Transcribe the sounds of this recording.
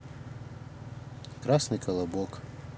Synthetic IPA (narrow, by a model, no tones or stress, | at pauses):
kɾasnɨkɐlˠɐbɔk